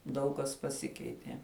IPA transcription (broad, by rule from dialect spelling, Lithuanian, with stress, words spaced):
ˈdɐʊk kɐs pɐˈsʲɪkʲɛɪtʲiɛ